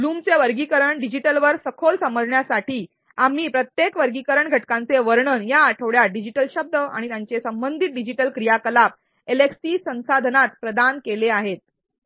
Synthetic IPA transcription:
luːmt͡seʋəɾɡikəɾəɳɖid͡ʑiʈəlʋəɾsəkʰolsəməlɳjasaʈiː | am̤iːpɾət̪jekʋəɾɡikəɾəɳɡʱəʈkãnt͡seʋəɾɳənjaʈʰəʋɽjaɖid͡ʑiʈəlɕəb̚d̪əa̰ɽ̃it̪jaɲt͡sesəmbənd̪ʱit̪̚ɖid͡ʑiʈəlkɾijakəlap̚ | eleksiːsə̃ñsad̪ʱənat̪pɾəd̪ankeleaɦet̪̚

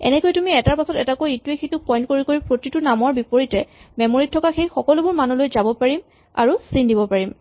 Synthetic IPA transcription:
ɛ̰nɛkojtumiɛtaɹpasɔtɛtakojetuexejtupɔj̃ntkoɹikoɹipɹotitʊnamɔɹbipoɹitɛmɛmoɹitʰːɔkaxejxɔkɔlʊbʊɹmanulojzabɔpaɹim | a̰ɹusindibɔpaɹim

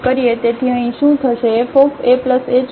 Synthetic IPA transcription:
kəɾiet̪et̪ʰiəɦĩʃũt̪ʰəʃeːfofepləsed͡ʒ

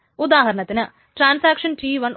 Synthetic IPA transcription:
ʊd̪aːɦɐɾɐɳɐt̪ːɪnɐ | ʈɾaːnsaːkʂɐnʈiːʋɐn

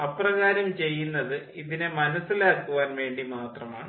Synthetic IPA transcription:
ɐprɐɣaːɾɐmt͡ɕe̞jːunːɐðɨ | iðinemɐnɐsːilaːkːuʋaːnʋe̞ːɳɖimaːt̪rɐma̰ːɳɨ

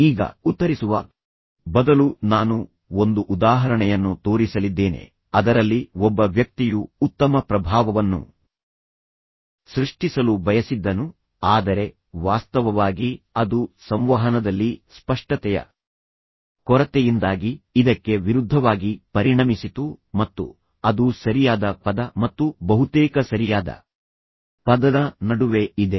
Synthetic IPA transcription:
iːɡɐ̰ut̪ːɐɾisuʋɐ̰ | bɐd̪ɐlunaːnu | o̞nd̪uʔːd̪aːɦɐɾɐɳɛjɐnːut̪o̞ːɾisɐlid̪ːe̞ːne̞̰ | ɐd̪ɐɾɐlːiɔbːɐʋjɐk̚t̪ijuːt̪ːɐmɐpɾɐbʱaːʋɐʋɐnːṵ | sɾiʂʈisɐlubɐjɐsid̪ːɐnu | aːd̪ɐɾe̞ | ʋaːst̪ɐʋɐʋaːɡiɐd̪usɐmʋɐɦɐnɐd̪ɐlːispɐʂʈɐt̪ɛjɐ̰ | kɔɾɐt̪ɛjind̪aːɡiːd̪ɐkːe̞ʋiɾud̪ʱːɐʋaːɡipɐɾiɳɐmisit̪umɐt̪ːṵ | ɐd̪usɐɾijaːd̪ɐpɐd̪ɐmɐt̪ːubɐɦut̪ɛːkɐsɐɾijaːd̪ɐ̰ | pɐd̪ɐnɐnɐɽuʋe̞id̪e̞

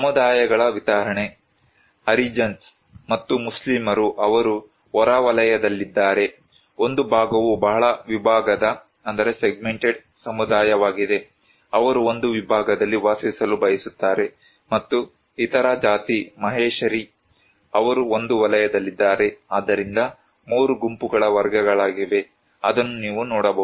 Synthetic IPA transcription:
sɐmud̪aːjɐɡɐɭɐʋit̪aːɾɐɳe | ɐɾid͡ʒɐns | mɐt̪ːumuslimɐɾuʔɐʋɐɾu | ɔɾaʋɐlɐjɐd̪ɐlːid̪ːaːɾe̞ | o̞nd̪ubʱaːɡɐʋubɐɦɐɭɐʋibʱaːɡɐd̪ɐ | ɐnd̪ɐɾe̞seɡ̚meɳʈeɖ | sɐmud̪aːjɐʋaːɡid̪e̞ | ɐʋɐɾuo̞nd̪uʋibʱaːɡɐd̪ɐlːiʋaːsisɐlubɐjisut̪ːaːɾe̞ | mɐt̪ːu | it̪ɐɾad͡ʒaːt̪imɐɦeːʃɐɾi | ɐʋɐɾuond̪uʋɐlɐjɐd̪ɐlːid̪ːaːɾe̞aːd̪ːɐɾind̪ɐ | muːɾuɡumpuɡɐɭɐʋɐɾɡɐɡɐɭaːɡiʋe̞ | ɐ̰d̪ɐnːuniːʋunɔːɽɐbɐ

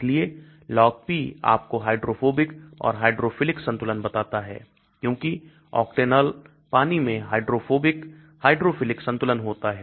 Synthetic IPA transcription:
lie | lɔːkpia̰ːp̚koɦaːɪɖɾoːfʰoːbɪkɔ̰ːɾɦaːɪɖɾoːfɪlɪksɐ̃nt̪ʊlənbɐt̪aːt̪aɦɛ̰ː | kjõːki | ɔ̰ːkʈeːnəl | paːnimẽɦaːɪɖɾoːfoːbɪk | haːɪɖɾofʰɪlɪksɐ̃nt̪ʊlənɦoːt̪aɦɛː

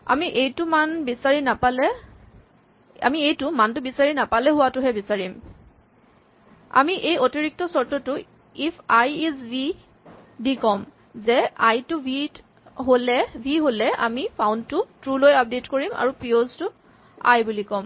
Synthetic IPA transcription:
a̰miʔejtʊmanbisaɹinapalɛ | a̰miejtʊmantʊbisaɹinapalɛɦʊwatʊɦɛbisaɹim | a̰miʔejotiɹik̚tɔsɔɹtɔtʊ | ipʰajisbʱi | dikɔm | zɛajtubʱi | ɦolɛbʱiɦolɛʔa̰mipʰawntʊtɹulojap̚detkoɹima̰ɹupɹioztʊ | a̰jbulikɔm

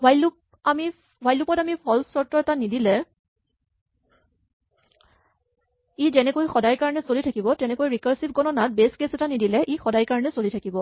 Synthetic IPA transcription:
bʱajlup̚ | ami | bʱwajlupɔtamipʰɔlsɔɹtɔɹɛtanidilɛ | izɛnɛkojxɔdajkaɹɔnɛsolitʰakibɔtɛnɛkojɹikaɹsip̚ɡɔnɔnat̚beskesɛtanidilɛʔixɔdajkaɹɔnɛsolitʰakibɔ

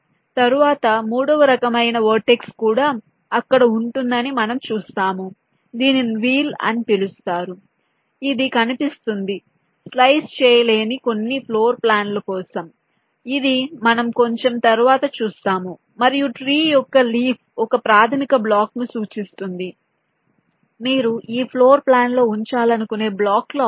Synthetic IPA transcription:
t̪ɐɾuʋaːt̪ɐmuːɽɔʋɐɾɐkɐmɐjnɐʋoːɾʈe̞kskuːɽaː | ɐkːɐɽɐuɳʈund̪ɐnimɐnɐmt͡ʃuːst̪aːmu | d̪iːninʋiːlɐ̰nipilust̪aːɾu | id̪ikɐnipist̪und̪i | slɐjst͡ʃɛːjɐle̞ːniko̞nːipʰloːɾplaːnlukɔːsɐm | id̪imɐnɐmko̞ɲt͡ʃe̞mt̪ɐɾuʋaːt̪ɐt͡ʃuːst̪aːmu | mɐɾijuʈɾiːjɔkːɐliːpʰɔkɐpɾaːd̪ʰʱɐnikɐblaːknusuːt͡ʃist̪und̪i | miːɾuʔiːpʰloːɾplaːnlo̞ːuɲt͡ʃaːlɐnukune̞ːblaːklo

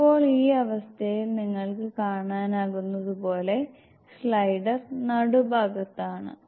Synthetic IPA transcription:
ipːo̞ːɭiːɐʋɐst̪ʰɐjilniŋːɐɭkɨkaːɳaːnaːɣunːɐðupo̞ːle̞ | slɐjɖɐrnɐɽubʱaːɡɐt̪ːaːɳɨ̰

